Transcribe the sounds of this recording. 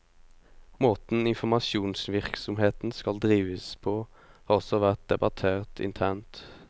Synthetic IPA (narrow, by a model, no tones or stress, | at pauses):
moːt̪n̩ɪnfɔmɑʃuːnsʋɪʁksɔmheːt̪n̩skɑld̪ʁiːʋəspʰoː | hɑːʁɔsɔʋæʁt̪̚d̪ɛbɑt̪ʰeːʁt̪ʰɪ̰nt̪ʰæʁnt̪